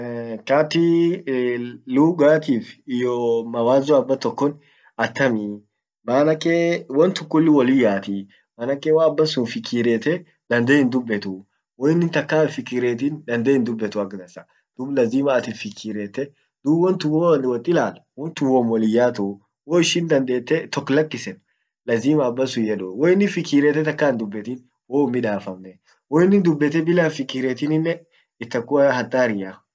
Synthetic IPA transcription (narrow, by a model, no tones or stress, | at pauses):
kaːt̪i | luːɡaːt̪iːfɪjɔmɐwaːzɔɐbːɐt̪ɔkːɔn | ɐt̪ʰːɐmi | maːnɐkʼːeːwɐnt̪ʊkːʊlːɪwɔlɪjːaːt̪i | maːnɐkʼːeːwaːɐbːɐsʊnfɪkʰːiːɾeːt̪ɛ | d̪̥ɐnd̪ehɪnd̪ʊbːɛt̪ʊ | wɔɪnːɪnt̪ɐkːaːfɪkːɪːɾeːt̪̬ind̪ɐnd̪eːɪnd̪ʊbːɛt̪ʊɐɡd̪ɐsɐ | d̪̥ʊblɐziːmɐːt̪ɪnfɪkʰːɪɾeːt̪ːɛ | d̪̥uwɔnt̪ʊwoːnwɐt̪ʼːɪlaːlwɔnt̪ʊwomwɔlɪjːaːt̪ʊ | woːɪʃɪnd̪ɐnd̪e̞ːt̪ːɛt̪ɔkːlɐkːɪsɛn | lɐziːmɐːbːɐsʊjɛᶑʊwɔːɪnːɪfɪkːɪɾeːt̪ːɛt̪ɐkːaːnd̪ʊbːɛt̪in | woːʊmːɪᶑaːfɐmnɛ | wɔɪnːɪnd̪ʊbːɛt̪ːɛbɪlaːnfɪkːɪɾeːt̪inɪnːɛ | ɪt̪ːɐkːʊhɐt̪ʼːaːɾɪja